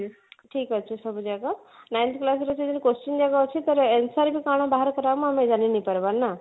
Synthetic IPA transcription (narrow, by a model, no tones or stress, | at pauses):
ʈʰiːkət͡ʃʰesəbud͡ʒaɡa | najnt̪ʰklas̬ɾət͡ʃʰed̪inkost͡ʃind͡ʒaɡaot͡ʃʰit̪əɾensaɾbʱikaɽ̃ãbaɦəɾkəɾaʋmãamed͡ʒaninipəɾbannːa